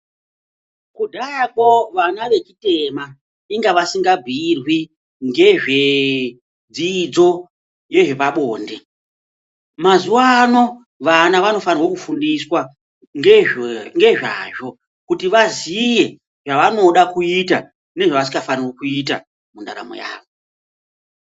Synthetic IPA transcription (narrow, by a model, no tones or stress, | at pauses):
kudʱajakoʋanaʋe̞t͡ʃite̞ma | iŋɡaʋasiŋɡabʱiːrwi | ŋɡe̞ʐe̞ | d͡ziːd͡zo̞ | je̞ʐe̞paɓoːnde | mazuwano̞ | ʋanaʋano̞fanirwo̞kufundiswa | ŋeŋɡe̞ʐa̰ːʐo̞ | kutiʋazije̞ | ʐaʋano̞ɗakuita | ne̞ʐaʋas̬i̥ŋɡafanirwokuita̰ | munda̰ɾa̰mo̰ja̰ːʋo